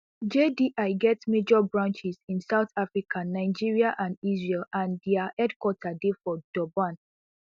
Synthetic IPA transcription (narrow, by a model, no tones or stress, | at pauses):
d͡ʒediʔaɪɡɛtmed͡ʒɔbɹãnt͡ʃizĩnsaʊtafɹikʰanaɪd͡ʒiɹiaʔãndizɹilãndiahɛdkwɔtʰadefɔd̥ɔbãn